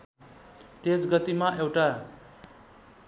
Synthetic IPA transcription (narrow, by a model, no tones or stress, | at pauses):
t̪et͡sɡʌt̪imaʔewʈa